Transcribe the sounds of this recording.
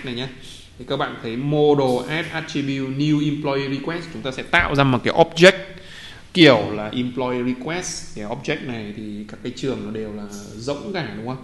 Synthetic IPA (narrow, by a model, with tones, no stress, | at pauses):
na˨˩jɲaː˧ | i˨˩kəː˧k̚ɓa̰ː˧˨nt̪ʰə˨˦jmo˧ɗo˨˩ʔɛ˦˥t̚ʔa˦˥t̚t͡ɕi˧ɓi˧ni˧wʔi˧mplɔ˧ji˧ɾi˧kwɛ˦˥st͡ɕʊ˨˦ŋ͡mt̪aː˧sɛ̰˧˥t̪a̰ː˧˨wzaː˧mɔ˨˩kaː˨˦jʔɔ˦˥p̚zɛ˦˥k̚ | ki˧˩əwlaː˨˩ʔi˧mplɔ˧ji˧ɾi˧kwɛ˦˥stkaː˨˦jʔɔ˦˥p̚zɛ˦˥k̚na˨˩jt̪ʰi˨˩kaː˦˥kːaː˨˦jt͡ɕɨ˨˩əŋnɔ˨˦ɗe˨˩əwlaː˨˩ | zə̰˧˦˥wŋ͡mɣaː˧˨˩ɗʊ˨˦ŋ͡mhə˧wŋ͡m